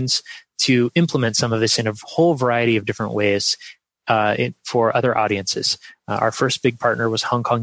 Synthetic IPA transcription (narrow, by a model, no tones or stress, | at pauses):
nz̥tʰɨɪ̃mpləmɨ̃ntsʌ̃mʌvðɪsɨ̃nɨhoʊlˠvə˞aɪɨɾiʌvdɪfɹɨ̰̃nʔweɪz̥ | ɪfə˞ʔʌðə˞ʔɔ̰ɾiɨ̃nsɨ̰z̥a̰ʊə˞fɜ˞sb̥ɪɡ̚pʰɑɹtⁿnə˞wʌz̥hɑ̃ŋkʰɑ̃ŋ